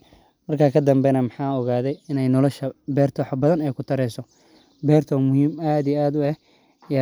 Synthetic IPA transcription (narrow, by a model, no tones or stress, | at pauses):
mɐrkʰaːkʰɐd̪ɐmbɛnɐmɑħɑːɔɣaːðɛjɪnɛjnɔlɔʃɐbɛːrt̪ʰɔːħɑbɐðɐnɛjkʰʊt̪ʰɐɾɛsɔ | bɛːrt̪ʰɔmʊhiːmaːd̪ijɛaːd̪ʊɛh | j